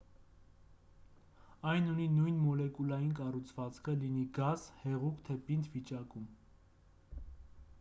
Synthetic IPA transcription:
ɑjnuninujnmɔlɛkulɑjinkɑrut͡sʰv̥ɑt͡skʰəliniɡɑzhɛʁukt̪ʰɛpint̪vit͡ʃɑkum

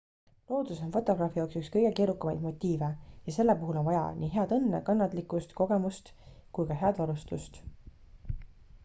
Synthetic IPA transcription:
lo̞ːd̪uso̞nfo̞t̪ːˑo̞ɡ̥rɑːfijɑːksykskɤjɡ̥e̞keːɾukːˑɑmɑjd̪̥mo̞t̪ʲːiːve̞jɑse̞lːe̞puɦulo̞nvɑjɑ̰nʔiːɦe̞ɑd̪ɤnːḛkɑnːɑt̪ˑlikːˑust̪ko̞ɡ̥e̞must̪ | kujkɑɦe̞ɑd̪vɑɾust̪ust̪

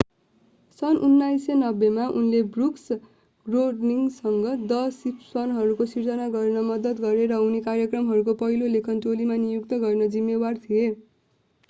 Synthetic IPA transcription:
sʌnʔunːajsenʌbːemaʔunlebruks | ɡroɖniŋsʌŋɡʌd̪ʌsipʰswʌnɦʌɾukosird͡zʌnaɡʌrnʌmʌd̪ʌt̪ɡʌɾeɾʌunekarjʌkrʌmɦʌɾukopʌɦilolekʰʌnʈolimanijukt̪ʌɡʌrnʌd͡zimːebart̪ʰie

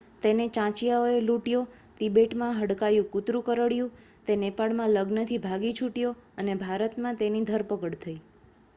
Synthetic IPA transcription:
t̪enet͡ʃãt͡ʃjaoeluʈjo | t̪ibeʈmãɦəɽkajũkʊt̪ɾũkəɾəɽjũ | t̪enepaɭmãləɡnət̪ʰibʱaɡit͡ʃʰuʈjoənebʱaɾət̪mãt̪enid̪ʱəɾpəkəɽt̪ʰəi

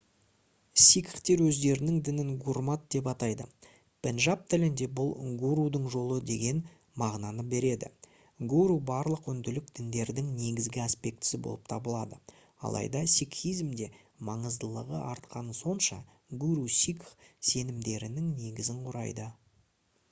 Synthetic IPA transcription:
sʲikχt̪e̞ɾwɵzd̪e̞ɾɪnɪŋd̪ɪnɪŋɡurmat̪̚d̪̥e̞p̬ɑt̪ɑjd̪ə̰ | pʰenʒap̚t̪ʰɪlɪnd̪e̞bʊlˠɡuɾud̪əɴʒo̞lˠəd̪e̞ɡʲe̞n | mɑʁnɑnəbe̞ɾe̞d̪ɪ̰ | ɡuɾubɑɾlˠəqʏnd̪ɪlɪk̚d̪̥ɪnd̪e̞ɾd̪ɪŋne̞ɡʲɪzɡʲɪaspe̞k̚t̪ɪ̥sɪbo̞̰lˠəp̚t̪ʰɑbəlˠɑd̪ə | ɑ̰lˠɑ̰jd̪ɑsikχijzmd̪e̞ | mɑɴəzd̪əlˠəʁə̰ʔɑɾt̪qɑnəso̞nʃɑ̰ | ɡuɾusikχse̞nɪmd̪e̞ɾɪnɪŋne̞ɡʲɪzɪɴqʰʊɾɑ̰jd̪ə

